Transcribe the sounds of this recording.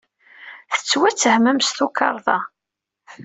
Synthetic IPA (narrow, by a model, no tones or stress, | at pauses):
θə̥t͡sːwæt͡sːəhməmst̪ukʰːɑ̰ɾˤðˤɑ